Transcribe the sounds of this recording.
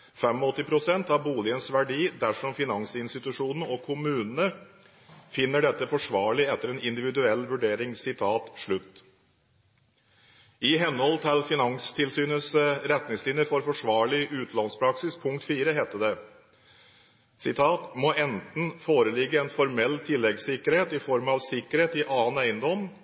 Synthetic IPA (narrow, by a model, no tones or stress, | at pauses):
fɛmɔɔt̪ːɪpʰɾʊsɛnt̪ɑʋbuːlɪənsʋæɖiːd̪æʂɔmfɪnɑŋsɪnst̪ɪt̪ʉʂuːnənəɔkʰʊmʉːnənə | fɪnːəɖɛt̪ːəfɔʂʋɑːɭɪɛt̪ːəɾɛnɪnd̪ɪʋɪd̪ʉɛlːʋʉɖeːɾɪŋsɪt̪ʰɑːt̪ʂɭʉt̪ː | ɪɦɛnːhɔlt̪ʰɪlfɪnɑŋst̪ʰɪlsyːnəsɾɛt̪nɪŋslɪnjəɾfɔɾfɔʂʋɑːɭɪʔʉːt̪lɑnspʰɾɑksɪspʰʊŋkt̪fiːɾəɦeːt̪ːəd̪ɛ | sɪt̪ʰɑːt̪mɔʔɛnt̪n̩foːɾəlɪɡːəɛnfɔɾmɛlːt̪ʰɪlːɛɡsɪkəɾheːt̪ɪfɔɾmɑʋsɪkːəɾheːt̪ɪʔɑːənæɪənd̪ɔm